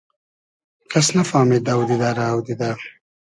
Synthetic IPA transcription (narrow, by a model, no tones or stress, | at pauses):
kʰasnafɑːmid̪awd̪id̪aɾaːwd̪id̪a